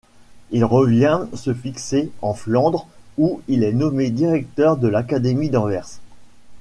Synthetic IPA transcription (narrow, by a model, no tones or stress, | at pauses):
ilʁəvjɛ̃səfikseɑ̃flɑ̃d̪ʁuilɛnɔmed̪iʁɛk̚t̪œʁd̪əlakad̪emid̪ɑ̃vɛʁs